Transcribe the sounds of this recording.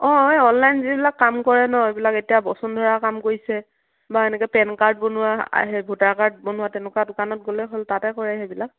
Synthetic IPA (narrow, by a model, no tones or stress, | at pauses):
ɔ̃ɔnlajnzibilakːamkɔɹɛnɔebilaketijabɔsɔndʱɔɹakamkoɹisɛ | baenɛkɔpɛnkaɹd̚bonʊwa̰ɦebʱutaɹkaɹt̚bonʊwatɛnʊkadʊkanɔt̚ɡolɛɦoltatɛkɔɹɛɦebilak̚